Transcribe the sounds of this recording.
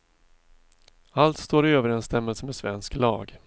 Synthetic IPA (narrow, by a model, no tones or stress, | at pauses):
alt̪st̪oːɾɪøːvəɾɛnst̪ɛmːəlsəmɛsvɛnsklɑːɡ